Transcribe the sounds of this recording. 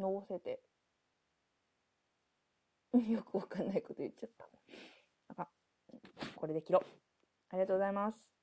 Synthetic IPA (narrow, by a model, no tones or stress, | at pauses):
nose̞t̪e | jokɯ̟βakãnːaiko̞t̪ojɯtːt͡ɕːat̪ːḁ | aka | ko̞ɾe̞d̪e̞kʲiɾo | aɾʲiɣat̪oːɡo̞zaimasɨ̥